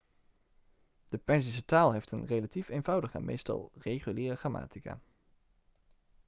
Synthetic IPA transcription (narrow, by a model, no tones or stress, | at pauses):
d̥əpɛns̬is̬ətaːlˠɦejftənrelatifejnvʌwdəχɛ̰nmʔḛjstɑ̰lˠrejχyliːrəχraːma̰ːtika̰ː